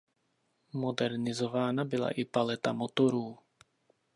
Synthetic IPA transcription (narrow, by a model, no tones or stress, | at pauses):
mo̞dɛɾnɪzo̞vaːnabɪla̰ʔɪpalɛt̪amot̪o̞ɾuː